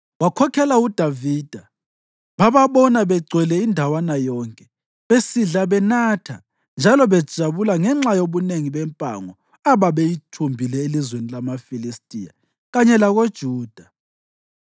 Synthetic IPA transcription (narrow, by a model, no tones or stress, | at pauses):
wakʰɔkʰɛlaud̥ʱavid̥ʱa | βaβaβɔnaβɛɡ͡ǀʱwɛlɛindʱawanajɔŋkʼɛ | βesiɮaβɛnatʰa̰ | nd͡ʒʱalɔβɛd̥ʒ̥ʱaβulaŋɛŋ͡ǁajoβuneŋiβɛmpʼa̰ŋɔ | aβaβejitʰumbʱilɛelizwenilamafilistʼija̰ | ɣaɲɛlaɣod̥ʒ̥ʱuːd̥ʱa